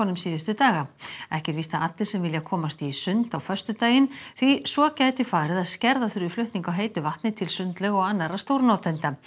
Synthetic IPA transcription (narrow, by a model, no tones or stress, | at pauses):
ɔnːʏmsiːðʏst̪ʏt̪aːɣaɛhcɛɾviːst̪aat̪lɪ̥sɛmvɪljakʰɔːmast̪isʏnt̪awfœ̥st̪ʏt̪aːjɪnθvisvɔcaːjt̪ɪfaːɾɪðaðscɛɾðaθʏɾʏflʏht̪niŋkawɦeːjt̪ʏvaht̪nɪt̪ʰɪlsʏnt̪lœɣɔɣanːaɾast̪owɾnɔːt̪ʰɛnt̪a